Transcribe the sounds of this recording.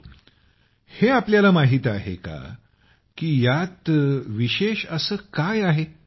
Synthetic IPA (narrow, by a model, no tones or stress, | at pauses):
heapljalamaɦit̪aɦḛka̰ | kiːjat̪ʋiɕeɕəsəːkajaɦe